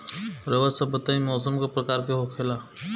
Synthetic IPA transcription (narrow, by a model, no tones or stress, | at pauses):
ɾəʋəsəbət̪aimɔːsəmkepɾɐkaːɾkeɦokʰela